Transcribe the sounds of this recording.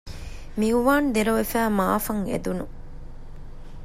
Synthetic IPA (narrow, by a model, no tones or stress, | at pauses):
miuʋaːnd̪eɾɐʋefæːmaːfɐŋḛd̪unu